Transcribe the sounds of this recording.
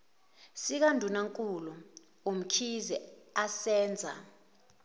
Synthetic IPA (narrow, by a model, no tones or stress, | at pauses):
sik̬andʱunaŋkʼulu | um̩kʰizɛasɛːnd͡zʱa̰